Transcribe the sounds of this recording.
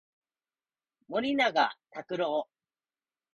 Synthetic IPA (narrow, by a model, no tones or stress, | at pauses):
mo̞ɾʲinaɡat̪akɯ̟ɾoː